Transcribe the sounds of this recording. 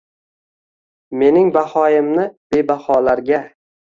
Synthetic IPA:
me̞nɪŋbahɒjɪmnɪb̥e̞bahɒlaɾɡʲa

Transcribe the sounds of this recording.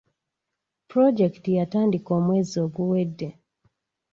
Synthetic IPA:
pɾɔd͡ʒɛktijatandikɔmwɛziɔɡuwɛdːɛ

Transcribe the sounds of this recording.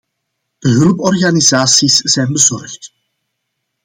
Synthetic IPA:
d̥əɦɵləpɔrɣanizaːsisz̥ɛjnbəzɔrxt

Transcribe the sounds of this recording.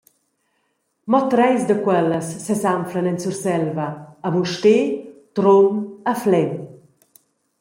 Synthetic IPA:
mɔt̪ɾɛjsd̪əkwɛlːəsːesamflanɛnsursɛlvɐːbuʃtet̪ɾomaflɛm

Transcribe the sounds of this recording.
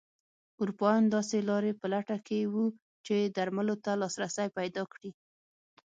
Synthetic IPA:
uɾupɑjɑnd̪ɑselɑɾepəlaʈakewu | t͡ʃed̪aɾmalot̪alɑsɾasajpajd̪ɑkɽi

